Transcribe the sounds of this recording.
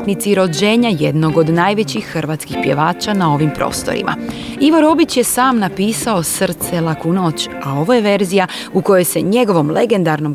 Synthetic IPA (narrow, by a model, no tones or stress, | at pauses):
t̪nit̪siɾo̞d͡ʑe̞ːɲaje̞d̪no̞ɡo̞d̪naːjʋe̞t͡ɕixːr̩ʋaːt̪skixpje̞ʋaːt͡ɕanao̞ʋimpɾo̞̰ːst̪o̞̰ɾḭma̰iʋo̞ɾo̞bit͡ɕje̞saːmnapiːsao̞srt̪selakunoːt͡ɕ | ao̞ʋo̞je̞ʋe̞ɾzija | uko̞jo̞jse̞ɲe̞ɡo̞ʋo̞mle̞ɡe̞nd̪aɾno̞m